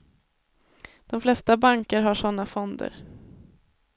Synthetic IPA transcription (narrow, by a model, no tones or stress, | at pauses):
d̪̥ɔmflɛst̪abaŋkəɾɦaʂɔnːafɔnd̪ə̰ɾ